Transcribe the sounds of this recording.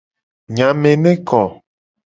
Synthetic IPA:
ɲã˨mẽ˨nẽ˦kɔ˨

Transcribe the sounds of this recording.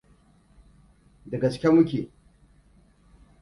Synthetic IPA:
dɐ˨ɡɐ˨t͡ʃkʲɛ˦mʊ˦kʲe˨

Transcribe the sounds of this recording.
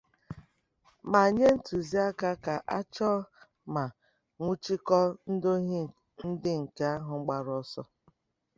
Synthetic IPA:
ma˨ɲe˦n̩˦tu˨zi˦a˦ka˦ka˨ʔa˦t͡ʃɔ˦ | ma˨ | ŋʷu˦t͡ʃi˦kɔ˦n̩˦do˦ɦ | n̩˦dɪ˦ŋ̩˨ke˦a˦ɦʊ˨ŋ͡m̩˦ɡ͡ba˨ɾɔ˦sɔ˦

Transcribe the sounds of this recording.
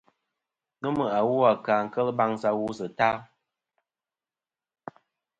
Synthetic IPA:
nu˦mə˨a˨wu˦a˨kaː˨ŋ̩˨kə˦lba˦ŋsa˦wu˦sə˨ta˦

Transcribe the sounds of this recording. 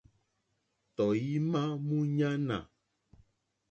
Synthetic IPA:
t̪ɔ˨ji˦mã˦mũ˦ɲã˦nã̰˨

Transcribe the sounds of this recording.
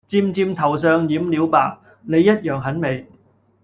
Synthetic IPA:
t͡siː˧mt͡siː˧mt̪ʰɐ˨˩wsœː˨˧ŋjiː˨˥mliː˨˧˥wpa̰ː˨k̚ | ne˨˧jːɐ˥t̚jœː˨˩ŋɦɐ˨˥nme˨˧j

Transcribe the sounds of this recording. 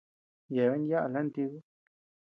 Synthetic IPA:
je˨βe˦nja˦ʔa˧le˦nt̪i˧ɣu˦

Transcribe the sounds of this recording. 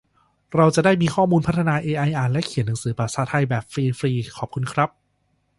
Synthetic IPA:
ɾa˧wt͡ɕa˨˩daː˥˩jmiː˧kʰɔː˥˩muː˧npʰa˦˥t̪ʰːa˧naː˧ʔeː˧ʔa˧jʔaː˨˧˩nlɛ˦˥kʰi˨˩˦nːa˩˦ŋsɯː˩˦pɾa˨˩saː˩˦t̪ʰa˧jbɛː˨˩p̚fɾiː˧fɾiː˧kʰɔː˨˩p̚kʰu˧nkʰɾa˦˥p̚

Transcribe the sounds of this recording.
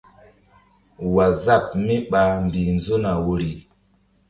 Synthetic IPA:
wa˨za˦˨p̚mi˦ɓa˨mbi˨nzo˦na˨wo˨ɾi˨

